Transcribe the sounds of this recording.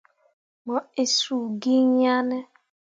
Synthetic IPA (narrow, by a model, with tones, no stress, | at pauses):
mɔ˨e˨su˨ɡi˦ɲa˦ne˦